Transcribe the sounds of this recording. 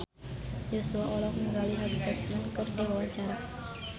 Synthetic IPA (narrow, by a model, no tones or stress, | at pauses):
josuaʔɔlɔkməŋɡaliɦaɡid͡ʒat̪̚nankərdiwawaɲt͡ʃaɾa